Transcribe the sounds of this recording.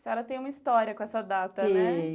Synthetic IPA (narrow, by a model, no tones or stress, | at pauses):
sɪaɾɐt̪ẽj̃ũmɐist̪ɔɾiɐkõɛsɐd̪at̪ɐnɛ